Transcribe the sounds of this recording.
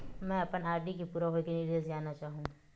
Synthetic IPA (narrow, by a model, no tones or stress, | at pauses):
mɛ̃ɐpənaːɾɖik̬ipuːɾaɦoːikiniɾijəzjaːnat͡ʃaːɦũː